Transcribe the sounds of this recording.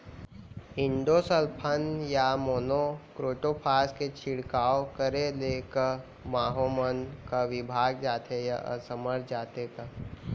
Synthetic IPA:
ɪ̃ɳɖosəlpʰənjamoːnokɾoːʈopʰaːsket͡ʃʰɪɽkaːokəɾeleːkəɾ | maːɦomənkaʋɪbʱaːɡ̚d͡ʒaːt̪ejaə̰səməɾd͡ʒaːt̪eka

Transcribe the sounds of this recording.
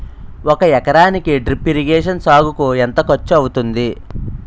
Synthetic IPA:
ɔkɐjɛkɐɾaːnikiɖɾipːiɾiɡeːʂɐnsaːɡukuent̪ɐkɐt͡ʃːuɐwut̪und̪i

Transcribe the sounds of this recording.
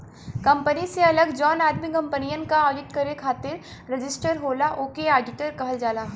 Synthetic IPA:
kɐ̃mpəniseɐləɡd͡ʒɔːnaːd̪mikɐ̃mpənijənkaɔːlɪʈkɐɾekʰaːt̪ɪɾ | ɾɐd͡ʒɪsʈəɾɦoːlaʔoːkeaːɖɪʈəɾkɐɦəld͡ʒaːlaː

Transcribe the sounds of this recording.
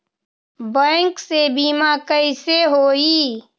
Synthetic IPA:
bə̃ːŋksebiːmakəiseɦoːiː

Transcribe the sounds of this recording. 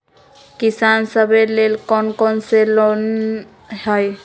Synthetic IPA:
kisansʌbelelkɔnkɔnselɔn | hɔj

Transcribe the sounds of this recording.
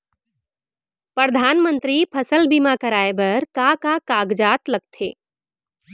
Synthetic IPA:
pɾəd̪ʱaːnmə̃nt̪ɾipʰɐsəlbimakəɾaːebɐɾkakakaːɡd͡ʒaːt̪lɐɡ̚t̪ʰḛː

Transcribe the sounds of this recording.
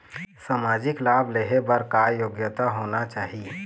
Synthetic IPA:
samad͡ʒɪklaːbleɦebəɾkajoːɡjət̪aɦoːnat͡ʃaːɦie

